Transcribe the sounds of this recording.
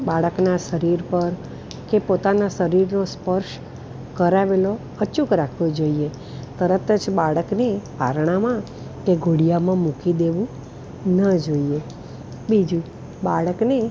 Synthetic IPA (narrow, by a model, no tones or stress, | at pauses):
baɭəknasəɾiɾpəɾ | kepot̪anasəɾiɾnospəɾʃ | kəɾaʋelo | ət͡ʃukɾakʰʋod͡ʒoie | t̪əɾət̪əd͡ʒbaɭəknepa̰ɾɽ̃amã | keɡʱuɽijamãmukid̪eʋũ | nəd͡ʒoie | bid͡ʒũ | baɭəkne